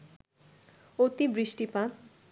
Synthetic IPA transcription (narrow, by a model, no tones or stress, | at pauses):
ot̪ibɾiʃʈipãt̪